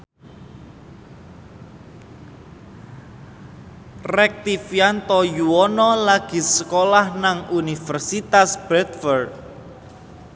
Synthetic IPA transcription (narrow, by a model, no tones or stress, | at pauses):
rɛk̚t̪ifiant̪ɔjuwɔnɔlaɡ̥i̤səkolahnaŋunifərsit̪asb̥ɛt̪̚fərd̪̚